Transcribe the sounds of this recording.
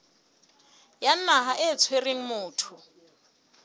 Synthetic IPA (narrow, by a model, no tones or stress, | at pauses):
jan̩naɦaʔɛt͡sʰwereŋ̩mʊːtʰʊ